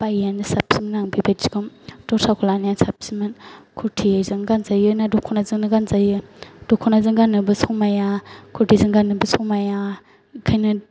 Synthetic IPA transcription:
pajanɯsap̚siminaŋbibasi̥kɯmtɔɾsakʰulanijansap̚simɯnkʰuɾtʰizɯŋɡanzajɯnadɔkʰɔnazɯŋnɯɡanzajɯd̥ɔkʰɔnazɯŋɡanɯbɯsɔŋmajakʰutʰizɯŋɡanɯbɯsɔmaja | kʰajnɯ

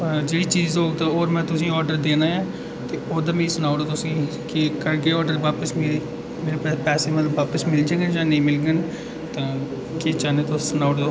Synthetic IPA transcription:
d͡ʒeːɽiːt͡ʃiːzoːɡt̪aːoːɾmɛ̃ːt̪ʊsĩːɔːɾɖəɾd̪eːnaːjãː | t̪eːoːd̪aːmɛ̃iːsʊnaːʊɽoːt̪ʊsĩː | kɪkəɾkeːɔːɾɖəɾʋaːpəsme | meːɾeːpɛːsepɛːseːmələʋaːpəsmɪld͡ʒaːɡənd͡ʒãːnəĩːmɪlɡən | t̪ãː | kɪt͡ʃaːneːt̪osənaːʈd̪oː

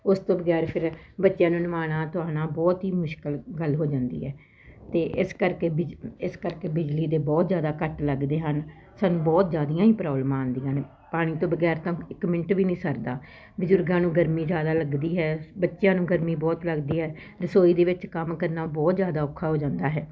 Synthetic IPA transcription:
ʊst̪õːbəɡɛːɾpʰɪɾbətːʃjãːnũːnəʋaːɽ̃ãːt̪ʊaːnãːbɔːt̪ɦiːmʊʃkəlɡəlɦoːd͡ʒãːnd̪ḭːɦɛː | t̪eːʔɪskəɾkeːbɪɪskəɾkeːbɪd͡ʒliːd̪eːbɔːt̪zjaːd̪aːkəʈləɡd̪eːɦən | saːnũːbɔːt̪zjaːd̪ijãːiːpɾɔːblmãːənd̪iːɦən | paːɽ̃iːt̪õːbəɡɛːɾt̪ãːɪkmɪ̃ɳʈʋiːnĩːsəɾd̪aː | bʊzʊɾɡãːnũːɡəɾmĩːd͡ʒjaːd̪aːləɡd̪iːɦɛːbətːʃjãːnũːɡəɾmiːbɔːt̪ləɡd̪iːɦɛː | ɾəsoːiːd̪eːʋɪt͡ʃkəmkəɾnaːbɔːt̪zjaːd̪aːoːkʰːaːɦoːd͡ʒãːnd̪aːɦɛː

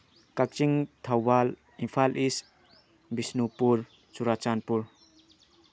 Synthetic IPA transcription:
kak̚t͡ʃiŋtʰawbal | inpʰalʔis | bisnupuɾ | t͡ʃuɾat͡ʃanpuɾ

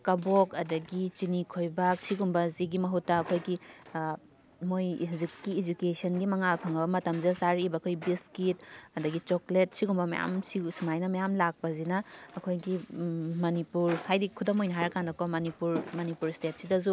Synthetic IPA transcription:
kɐbokɐdɐɡit͡ʃinikʰojbak̚siɡumbɐziɡimɐɦutːɐːkʰojɡi | mojɦuzikːiːd͡ʒukesɐnɡimɐŋakʰɐŋɐbɐmɐtɐmziɐsaɾiːbɐːkʰojbiskit̚ɐdɐɡit͡ʃoklet̚siɡumbɐmɐ̰ja̰msisumajnɐmɐjamlak̚pɐzinɐːkʰojɡimɐnipuɾhajdikʰudɐmojnɐɦaɾɐkandɐkomɐnipuɾmɐnipuɾstet̚sidɐzu

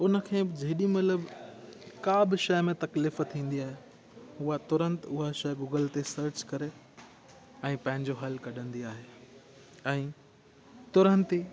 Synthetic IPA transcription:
ʊnə̆kʰẽːbɪd͡ʑɐɦɪɗimɐt̪ləb | kaːbɪʃɐjmẽt̪ɐkliːft̪ʰːĩːn̆d̪iaːɦe | ʊat̪ʊɾə̃nt̪ʊɦaʃɐjɡuːɡəlt̪esɐɾt͡ɕkɐɾe | ɛ̃ːpɐ̃ɦɪ̃ɲd͡ʑoɦɐlkɐɗə̃nd̪iaːɦe | ɛ̃ː | t̪ʊɾə̃nt̪i

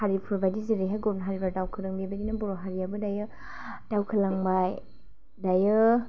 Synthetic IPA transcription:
haɾipʰuɾbajdiziɾiɦajɡɔɾnɦaɾibaɾdawkʰɯɾɯŋbebadinɐbɔɾoɦaɾiabɯdajɯ | d̥awkʰɯlaŋbaj | dajɯ

